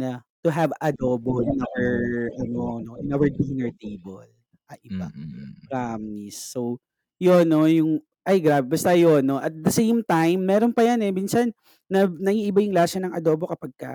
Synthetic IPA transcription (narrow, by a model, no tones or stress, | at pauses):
nɐt̪ʊɦɐvɐd̪oːboʔɪnʔawɛɹʔɐnonoʔɪnʔawɛɹd̪inɛɹt̪ejbɛl | ʔɐʔɪba̰ɡɾamnisːow | jonːo̞jʊŋ | ʔɐjɡɾaːbɛbɐst̪ɐjonːoʔɐt̪̚d̪ɐsejmt̪ajmːɛːɾonpɐjanɛmiːnsɐnː | ɐnɐʔiːʔɪbajʊŋlaːʃɐnɐŋʔɐ̰d̪oːbokɐpɐɡ̚kɐ̰